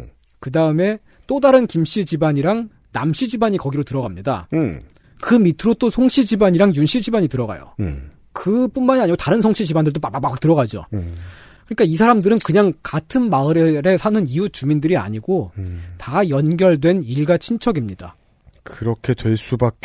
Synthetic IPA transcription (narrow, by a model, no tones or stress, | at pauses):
kɯdaɯme̞ | t͈odaɾɯnkimɕ͈id͡ʑibaɲiɾaŋ | namɕ͈ʰid͡ʑibaɲikʌɡiɾotɯɾʌɡamɲida̰ | kɯmitʰɯɾot͈osʰoŋɕʰid͡ʑibaɲiɾaŋjunɕʰid͡ʑibaɲitɯɾʌɡa̰jo̰ | kɯp͈unmanaɲiɡotaɾɯnsʰʌŋɕʰid͡ʑibandɯɭt̬opapapaak̚t͈ɯɾʌɡad͡ʑo̰ | kɯɲik͈ais̬ʰaɾamdɯɾɯnkɯɲaŋkatʰɯnmaɯɾeɾe̞sʰanɯniut͡ɕumindɯɾia̰ɲiɡotajʌnɡjʌɭdwe̞niɭɡat͡ɕʰint͡ɕʰʌɡimɲida̰ | kɯɾʌkʰe̞dwe̞ɭs͈ubak̚k͈